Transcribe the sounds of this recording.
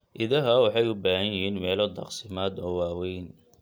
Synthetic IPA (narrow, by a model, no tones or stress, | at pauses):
ʔɪðɐɦɐwɑħɑjʊbaːɦɐjɪɦiːnmɛːlɔd̪ɑ̰qsɪmaːd̪ɔːwɑːwɛjn